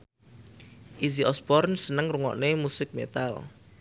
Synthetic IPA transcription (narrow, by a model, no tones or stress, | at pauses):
ʔiziʔɔsbɔrnsənəŋruŋɔ̰ʔnemusɪk̚met̪a̰l